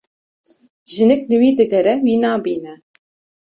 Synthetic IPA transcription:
ʒɨnɪklɨwiːd̪ɨɡɛɾɛwiːnɑːbiːnɛ

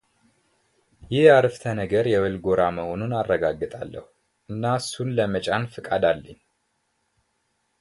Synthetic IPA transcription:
jɪhjaɾɨft̪ʰənəɡəɾjɛwəlɡo̞ɾaməhonunarːəɡaɡːɨt̪ʼalːə̰hu | ʔɨnːasunləmət͡ʃʼanfɨkʼad̪alːəɲ

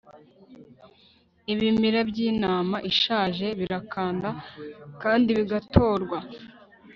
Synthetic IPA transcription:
iβimiɾabɟiːnaːmaʔiʃaːʒe̞βiɾakʰaːndakaːndiβiɡatʰo̞ːɾɡwa

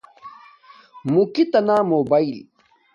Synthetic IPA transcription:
mukit̪ɐnaːmoːbail

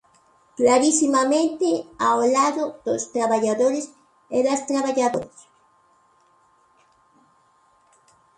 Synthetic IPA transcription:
klaɾisimamẽnt̪eaolaðoðost̪ɾaβaʎaðoɾes | eðast̪ɾaβaʎaðo̰ɾs

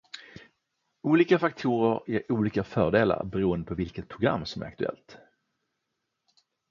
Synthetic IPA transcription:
uːliːkafak̚t̪ʰuːɾəɾeɾuːliːkafœːɖeːla̰ɾbɛɾuːənd̪əpʰɔvɪlkət̪̚pʰɾʊɡɾa̰mːsɔmæ̰ɾa̰kt̪ɵɛ̰lt̪

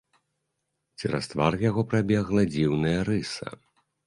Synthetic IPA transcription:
t͡sʲiɾa̰st̪varjaɣɔpɾabʲɛɣlˠɐd͡zʲiwnɐjɐɾɨsɐ̰

